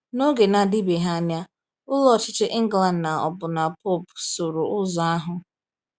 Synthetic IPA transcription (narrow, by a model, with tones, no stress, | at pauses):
no˦ɡe˨na˨dɪ˦be˨ɦa˦˨n˦a˦ | ʊ˦lɔ˦˨t͡ʃɪ˦t͡ʃɪ˦ʔi˦ŋ̩˦ɡla˨n˨na˨ɔ̰˨bʊ˨na˨po˦˨pso˨ɾo˨ʊ˦zɔ˨a˦ɦʊ˦